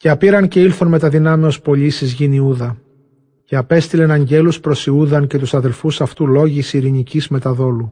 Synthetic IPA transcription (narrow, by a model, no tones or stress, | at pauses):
ceɐpiɾɐnce̞ilθo̞nme̞t̪ɐðinɐmeo̞spo̞ʎisizʝiniuðɐ | ceɐpe̞st̪ile̞nɐɲɟe̞luspɾo̞siuðɐnce̞t̪usɐðe̞lfusɐft̪ulo̞ʝisiɾinicizme̞t̪ɐðo̞lu